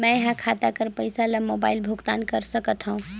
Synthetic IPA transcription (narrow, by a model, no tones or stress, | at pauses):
mə̃ɦãkʰat̪akəɾpəjsalemobailbʱuɡt̪a̰nkəɾsəkət̪ɦə̃ũ